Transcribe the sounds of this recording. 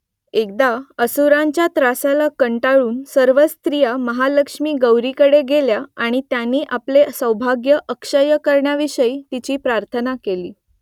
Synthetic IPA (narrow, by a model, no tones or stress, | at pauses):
ek̚d̪aəsuɾaɲt͡ɕjat̪ɾasalakəɳʈaɭuːnsəɾʋəst̪ɾijaməɦaləkʂmiːɡəwɾikəɽeɡeljaaɽ̃it̪janːiːʔaplesəwbʱaɡjəʔəkʂəjəkəɾɳjaʋiɕəiːt̪it͡ɕiːpɾaɾt̪ʰənakeliː